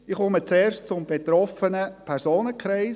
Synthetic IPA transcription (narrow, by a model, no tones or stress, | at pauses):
ɪχɔmət͡sɛːɾʃtt͡sʊmbeɛtɾɔfənəpʰɛɾsoːnəkʰɾɛɪs